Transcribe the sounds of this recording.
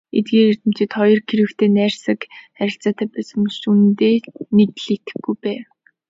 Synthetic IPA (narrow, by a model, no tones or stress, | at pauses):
ḛt̪̚ɡeːɾer̥t̪ɘ̆m̥t͡ɕɪ̆t̪χɔjɞ̆rkʰiɾɘ̆kt̪ʰeːnæːrsə̆kχæɾʲɪ̆ɬt͡saːt̪ʰæːpæsə̆mʃunt̪eːnekɮit̪ɘ̥̆ɡujpæːw